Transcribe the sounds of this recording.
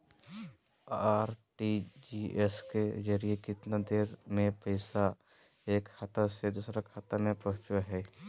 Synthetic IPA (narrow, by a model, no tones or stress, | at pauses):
aːɾʈid͡ʒiesked͡ʒəɾiekɪt̪nad̪eːɾmẽpəɪsa | eːkʰːat̪əsed̪uːsɾakʰat̪əmẽpɾoːt͡ʃəɦɛː